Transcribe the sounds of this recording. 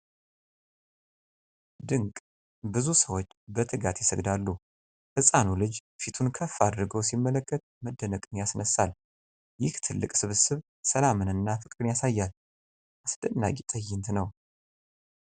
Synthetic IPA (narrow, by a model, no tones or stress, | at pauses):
d̪ɨŋkʼ | bɨzusəwo̞t͡ʃːbət̪ʰɨɡat̪jɪsəɡd̪alːu | hɨsʼanulɨd͡ʒfit̪ʰunkʰəfːad̪ɾɨɡəwsimːələkːət̪ | məd̪ːənəkʼɨnjasnəsːal | jɪht̪ʰɨlːɨkʼsɨβɨsɨβ | səlamɨnɨnːafɨkʼɾɨnjasajːal | ʔasd̪̥ənːa̰ɡʼit̪ʼəjːɪnt̪ʰnəw